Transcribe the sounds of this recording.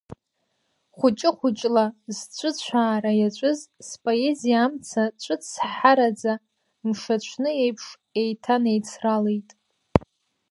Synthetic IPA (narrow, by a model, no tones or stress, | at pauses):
χʷʊt͡ʃʼɪχʷʊt͡ʃʼlazt͡ɕʷʰʼʊt͡ɕʷʰaːɾajat͡ʃʷʼʊzspʼoe̞zijaːmt͡sʰat͡ʃʷʼɨt͡ssħaɾad͡za | mʂat͡ɕt͡ʃʷʰnɨejpʰʂ | e̞jtʰanejt͡sʰralejtʼ